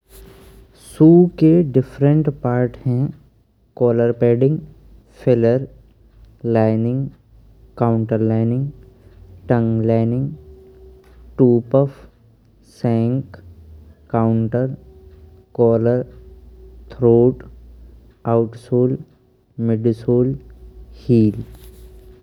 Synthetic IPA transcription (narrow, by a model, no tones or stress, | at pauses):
suːkeɖɪfɾə̃ɳʈpaːɾʈhɛ̃ | kɔːləɾpeːɖɪ̃ŋɡ | fʰɪləɾ | laːɪnɪ̃ŋɡ | kaʊ̃ɳʈəɾlaːɪnɪ̃ŋɡ | ʈə̃ŋɡlaːɪnɪ̃ŋɡ | ʈuːpɔf | sɛ̃ːŋk | kaʊɳʈəɾ | kɔːləɾ | t̪ʰɾoːʈ | aʊʈsoːl | mɪɖsoːlhiːl